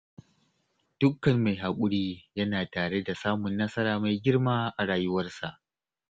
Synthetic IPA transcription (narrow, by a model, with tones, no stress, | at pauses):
d̥ʊ˦kːɐ˨mːa˨jɦa˨kʷʼʊ˦ɽiː˦jɐ˦naː˨taː˨ɽe˦da˨saː˦mʊ˨nːɐ˦sɐ˦ɾaː˨ma˨jɡʲɪ˦rmaː˦ʔa˨ɽaː˨jʊ˦wɐ˦rsa˨ʔ